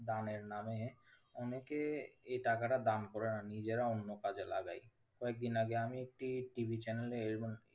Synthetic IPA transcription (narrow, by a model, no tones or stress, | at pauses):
d̪aneɾname | ɔnekeejʈakaʈad̪ankɔɾenanid͡ʑeɾaonːokad͡ʑelaɡa̰j | kɔek̚d̪inaɡeamiek̚ʈiʈibʱit͡ɕɛnelee